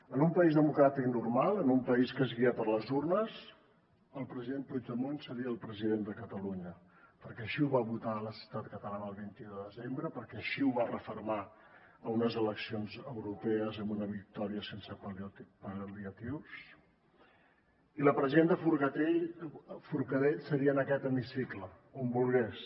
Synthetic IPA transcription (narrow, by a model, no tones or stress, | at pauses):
ənumpəizðəmukɾat̪iknurmalˠənumpəiskəzɣiapəɾləzurnəz | əlˠpɾəziðenput̪əmonsəɾiəːlˠpɾəziðend̪əkət̪əluɲə | pəɾkɛəʃiuβaβut̪aləsi̥wt̪at̪kət̪əlanəːlˠβint̪iðəðəzembɾəpəɾkɛəʃiuβarəfuɾma | əunəzələksionzəwɾupɛəzəmbunəβik̚t̪ɔɾiəsensəpəld̪iət̪iws | iləpɾəziðend̪əfuɾɣət̪e | fuɾkəðesəɾiənəkɛt̪əmisiklə | ombulˠɣɛs